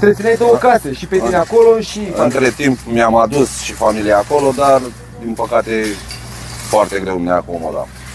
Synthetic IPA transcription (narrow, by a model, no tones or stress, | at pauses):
t̪ɾesinejd̪o̞wəkaseʃipet̪ineako̞lo̞ʃiɨnt̪ɾe̞t̪impmiamad̪usʃifamilijaako̞lo̞d̪ar | d̪inpəkat̪e̞ | foart̪e̞ɡɾe̞wnʲeaako̞mo̞̰d̪a̰